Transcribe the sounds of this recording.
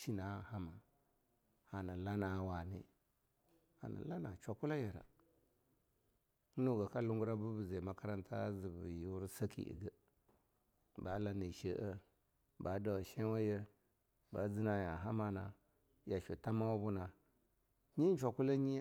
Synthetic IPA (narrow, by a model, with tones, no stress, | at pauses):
ʃi˦na˨ha˦ma˨ | a˨na˨la˦na˨˦˨wa˨nḭ˦ | a̰˨na̰˨la˦na˨t͡ʃʷa˨ku˦la˦je˨ɾa̰˨˦ | nu˦ɡa˨ka˦lu˦ŋɡu˦ɾa˦bu˦bu˨za˨ma˦ka˦ɾa˦ntʰa˦zi˨bu˨ju˦ɾsa˦kʰḭ˨ʔḭ˨ɡə˦ | ba˨˦la˨ni˨ʃə˦ʔə˦ | ba˨˦da˨wa˨ʃe˦wa˦jə˦ | ba˨d͡zi˦na˨ja˨ɦa˦ma˨na˨ | ja˨ʃu˨ta˦ma˦wa˦bu˦na˨ | ɲi˦n˦t͡ʃʷa˨ku˦la˦ɲi˦